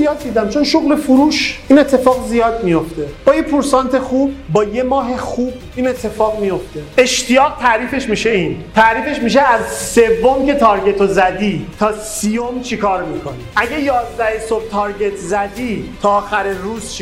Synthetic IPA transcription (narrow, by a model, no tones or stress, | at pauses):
ijɒːd̪̚ːiːd̪æmt͡ʃʰo̞nʃoɣlefuɾuːʃʔiːne̞t̪ʰːe̞fɒːɣzijɒːd̪̚mijo̞ft̪e̞b̥ɒːjepʰuɾsɒːnt̪ʰe̞xuːb̚ːɒːje̞mɒːɦexuːb̥ | iːnet̪ʰːe̞fɒːɣmijo̞ft̪e̞e̞ʃt̪ijɒːɣt̪ʰæɾiːfe̞ʃmiːʃeiːnt̪ʰæɾiːfe̞ʃmiːʃeæzse̞vːomce̞t̪ʰɒːɾɟe̞t̪ʰozæd̪iːt̪ʰɒːsijomt͡ʃʰikʰɒːɾmiːkʰo̞niʔæɟejɒːzd̪æhesob̚t̪ʰɒːɾɟe̞t̪ʰzæd̪iːt̪ʰɒːxæɾeɾuːzt͡ʃʰ